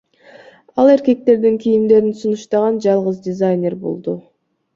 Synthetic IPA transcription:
ɑlˠe̞ɾke̞k̚t̪e̞ɾd̪iŋkʲʰijimd̪e̞ɾinsunuʃt̪ɑʁɑnd͡ʒɑlˠʁəzdʲɪzajnʲerbo̰lˠd̪u

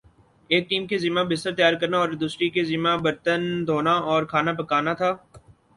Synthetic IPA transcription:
eːk̚ʈiːmkezimãbɪst̪əɾt̪əjaːɾkɐɾnaɔːɾɪd̪ʊsɾikezimãbɐɾt̪ənd̪ʱoːnaɔːɾkʰaːnapɐkaːnat̪ʰaː

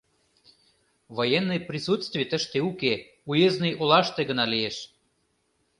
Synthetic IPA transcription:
vojenːəjprʲisut̪st̪vʲijt̪əʃt̪euke | ujeznejʔolɑʃt̪eɣə̆nɑlieʃ

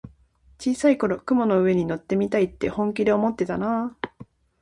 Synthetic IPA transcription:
t͡ɕiːsaiko̞ɾo̞kɯ̟mo̞no̞ɯ̟e̞ɲ̟ino̞t̪ːe̞mʲit̪ait̪ːe̞hõ̞ŋk̬ʲid̪e̞omo̞t̪ːe̞t̪anaː

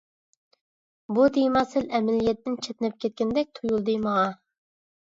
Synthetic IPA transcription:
bud̪ejmɑsɪlɛmɛlijɛt̪ːɪnt͡ʃʰet̪nɛp̚kʲʰɛt̪̚kʲɛnd̪ɛk̚ʲt̪ʰujulˠd̪ɨjməʁɑ

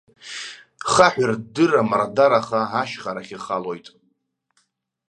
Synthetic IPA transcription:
χaħᶣʷardɨramardaɾaχaaʃχaɾaχʲiχalo̞jtʼ

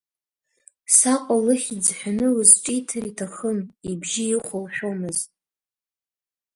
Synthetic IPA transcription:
saqʷʼalɨχʲid͡zħʷᶣanɨwɨzʈ͡ʂʼitʰaritʰaχəmibʒiɪχʷʊlħᶣomɨztʼ

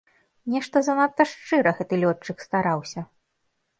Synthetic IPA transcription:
nʲɛʂt̪ɐzɐnat̪ːɐʂt͡ʂɨɾɐɣɛt̪ɨlʲɔt͡ʂːɨkst̪aɾawsʲɐ

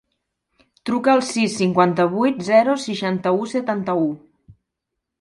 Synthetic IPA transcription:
t̪ɾukəːlˠsisːiŋkwant̪əβ̞ujt̪zɛɾusiʃant̪əusət̪ant̪əu

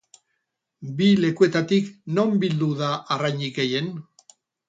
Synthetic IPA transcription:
bile̞kue̞t̪at̪ikno̞mbild̪uðaʔːrajɲiɣe̞je̞n

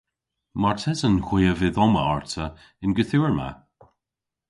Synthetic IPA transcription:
maɹtʰɛzənhwiːəvɪðɔmə̰ɔɹtʰə | ɪnɡəθuːɹma̰

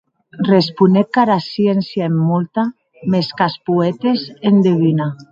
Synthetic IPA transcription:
respunekaɾasjensjaemːult̪a | meskaspuet̪esend̪eβina

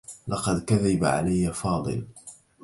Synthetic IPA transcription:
lɑqɑd̪kaðabaʕa̰lajːafɑːd̪ˤɨ̰l

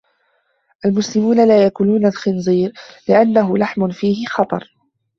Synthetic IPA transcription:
ʔalmʊslɪmuːnalaːjakʊnuːnalxɪnziːɾlɪʔanːaɦʊlaħmʊnfiːhɪxɑt̪ˤɑ̰ɾˤ

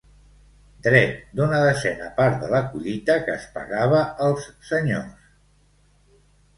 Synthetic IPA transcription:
d̪ɾɛt̪̚d̪unəðəzɛnəpaɾt̪̚ðələkuʎit̪əkəːspə̰ɣaβ̞əːlˠsːəɲo̰s

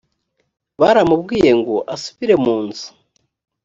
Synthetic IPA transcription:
βaɾamubɡiːje̞ŋɡo̞ʔasu̥βiɾe̞muːnzu̥

